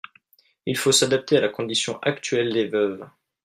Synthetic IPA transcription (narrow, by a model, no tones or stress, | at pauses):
ilfosad̪ap̚t̪ealakɔ̃d̪isjɔ̃ʔakt̪ɥɛld̪evœv